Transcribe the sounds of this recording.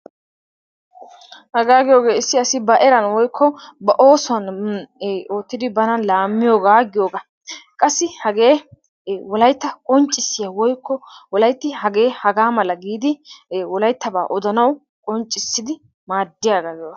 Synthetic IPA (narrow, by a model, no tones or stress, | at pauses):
hɐɡaːɡɪjo̞ːɡe̞ːɪsːɪɐsɪbɐʔɛɾɐnwɔjkʰːɔbɐʔo̞ːsɔɐn | o̞ːt̪ːɪd̪ɪbɐnɐnlaːmːɪjo̞ːɡaɡɪjoːɡa | kʼɐsːɪhɐɡe̞ː | wɔlɐjt̪ːɐkʼɔnt͡ʃʼɪsːɪjawɔjkʰːɔwɔlɐjt̪ːɪhɐɡe̞ːhɐɡaːmɐlɐɡiːd̪ɪwɔlɐjt̪ːɐba̰ːʔɔd̪ɐnɐw | kʼɔnt͡ʃʼːɪsːɪd̪ɪ | maːd̪ːɪjaːɡaːɡɪjoːɡɐ